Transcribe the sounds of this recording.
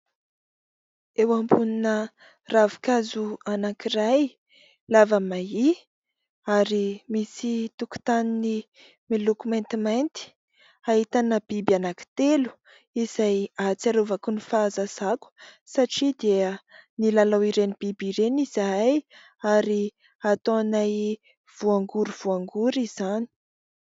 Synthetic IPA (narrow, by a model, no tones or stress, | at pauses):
ewambuninə | ravi̥kazuanakiraj | lavamai | aɾimisit̪uku̥t̪anini | milukument̪imajnt̪i̥ | aɦit̪anəb̥ibanaki̥t̪elu̥ | iz̥ajat͡saɾovakunifaːzazaku̥saʈ͡ʂid̪eənilalawiɾenib̥ibiɾeniz̥aj | aɾi | at̪onaj | v̥uaŋɡuɾuv̥uaŋɡuɾiz̥ani̥